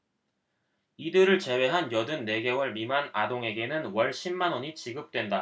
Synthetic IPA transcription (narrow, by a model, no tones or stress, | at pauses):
idɯɾɯɭt͡ɕe̞we̞ɦanjʌdɯnːe̞ɡe̞wʌɭmimanadoŋe̞ɡe̞nɯnwʌɭɕʰimːanoɲit͡ɕiɡɯp̚t͈we̞nda